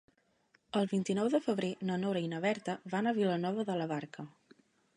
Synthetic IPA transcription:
əlˠβint̪inɔwðəfəβɾenənoɾəinəβɛɾt̪əβanəβilənɔβəðələβaɾkʰə

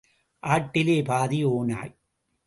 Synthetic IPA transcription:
ʔaːʈːɪleːpaːðioːna̰ːj

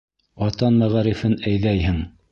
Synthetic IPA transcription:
ɑt̪ɑnmæʁæɾifɘnæjðæjhɘŋ

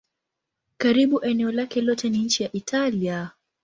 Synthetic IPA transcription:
kaɾiɓuʔɛnɛɔlakɛlɔtɛniɲ̩t͡ʃijaʔitʰalia

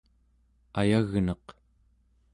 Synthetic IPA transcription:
ajaɣnʌq

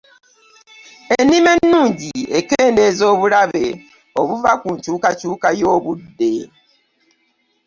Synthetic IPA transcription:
enime̞nːuːɲɟiekeːnde̞zo̞ːβulaβe | oβuvakuɲcuːkacuːkajoːβudːe̞

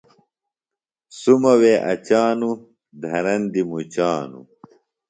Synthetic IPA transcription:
sumɐweːʔɐ̰t͡ɕaːnu | d̪ʱɐɾɐnd̪imut͡ɕaːnṵ

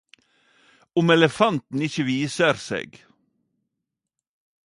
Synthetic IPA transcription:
ʊmɛləfɑnt̪n̩ɪçəʋiːsəɾsḛːɡ

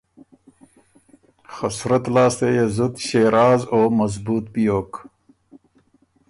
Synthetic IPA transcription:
xɐsɾɐt̪laːst̪ejezut̪ɕeːɾaːzoːmɐzbuːt̪̚pijoːk

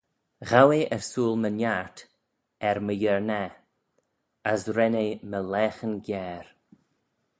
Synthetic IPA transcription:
ɣaweʔɛɹsuːlˠmənjaɹt | ɛɾməjəɹnɛ | əsɾɛneməlɛːxənɡjɛːɾ

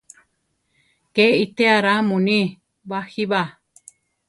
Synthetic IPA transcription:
keit̪eaɾamũnĩ | wahiβa

